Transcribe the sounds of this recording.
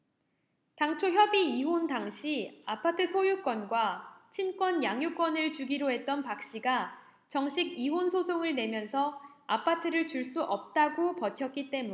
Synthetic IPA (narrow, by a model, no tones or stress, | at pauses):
taŋt͡ɕʰoçjʌbiːɦondaŋɕʰiapʰatʰɯsʰojuk͈wʌnɡwat͡ɕʰink͈wʌnjaŋjuk͈wʌnɯɭt͡ɕuɡiɾoɦe̞t̚t͈ʌnpak̚ɕ͈iɡa | t͡ɕʌŋɕʰiɡiɦonsʰosʰoŋɯɭne̞mjʌnsʰʌapʰatʰɯɾɯɭt͡ɕuɭs͈uʔʌp̚t͈aɡopʌtʰjʌk̚k͈it͈e̞mu